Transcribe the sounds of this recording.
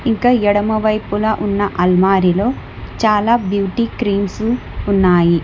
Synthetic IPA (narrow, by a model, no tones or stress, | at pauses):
iŋkaːɛɽɐmɐʋɐjpulɐʔunːɐʔɐlmaːɾilo̞ː | t͡ʃaːlaːbjuːʈiːkɾiːmsu | unːaːji